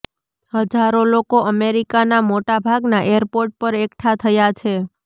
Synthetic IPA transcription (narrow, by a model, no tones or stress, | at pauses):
həd͡ʒaɾolokoəmeɾikanamoʈabʱaɡnaʔeəɾpoɾʈ̚pəɾekʈʰat̪ʰəjat͡ʃʰe